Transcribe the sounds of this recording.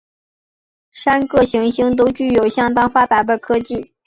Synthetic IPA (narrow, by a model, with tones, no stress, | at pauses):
ʂa˥nkɤ˥˩ɕi˧˥ŋɕi˥ŋt̪o˥ʊt͡ɕy˥˩jo˨˩ʊɕjɑ˥ŋt̪ɑ˥ŋfa˥pa˨˩b̪ə˥˩kʰɤ˥t͡ɕi˥˩